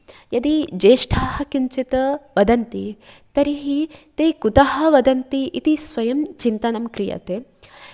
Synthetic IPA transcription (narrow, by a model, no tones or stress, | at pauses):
jɐd̪id͡ʒeːʂʈʰaːhɐkiɲt͡ʃit̪ɐʋɐd̪ɐnt̪it̪ɐɾiɦit̪eːkut̪ɐɦɐ̆ʋɐd̪ɐnt̪iʔit̪isʋɐjɐmt͡ʃint̪ɐnɐmkɾijɐ̰t̪eː